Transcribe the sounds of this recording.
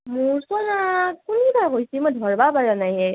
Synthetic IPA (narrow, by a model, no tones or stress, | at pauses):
muɹswanakunibakojsimodʱɔɹbapaɹanajɛ